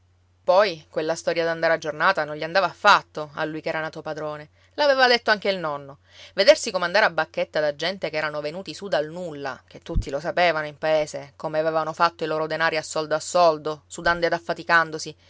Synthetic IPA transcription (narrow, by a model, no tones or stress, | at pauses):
pɔjkwelːast̪ɔɾjad̪and̪aɾead͡ʒːornaːt̪anõnʎiand̪aːvaːfːat̪ːoa̰lːujkɛːɾanaːt̪opad̪ɾoːne | laveːvad̪et̪ːoaŋk̟eilnɔnːo | ved̪ersikomand̪aɾeabːakːet̪ːad̪ad͡ʒɛnt̪ekɛːɾanovenuːt̪isud̪alnulːa̰k̟et̪ːut̪ːilosapeːvanoimpaeːsekomeavɛvanofat̪ːoiloːɾod̪enaːɾiasːɔld̪oasːɔld̪osud̪and̪oed̪afːat̪ikand̪osi